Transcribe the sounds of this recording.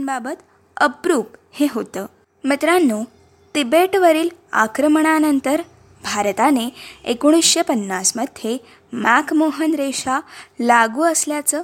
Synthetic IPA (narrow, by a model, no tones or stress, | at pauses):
nbabət̪ | əpɾuːpheɦot̪əː | mit̪ɾanːuː | ʈibeʈʋəɾiːla̰kɾəmɳ̃anənt̪əɾ | bʱaɾt̪aneekoɽ̃isɕepənːasməd̪̥ʱje | makʰmoɦənɾeɕalaɡuːəsljat͡səː